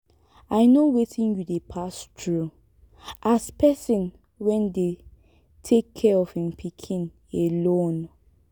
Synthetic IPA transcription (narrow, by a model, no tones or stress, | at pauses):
aɪnowetʰĩnjudepʰastʰɹu | ʔaspɛsĩn | wɛ̃nde | tʰekʰːɛɔfhĩmpʰikʰĩn | elõn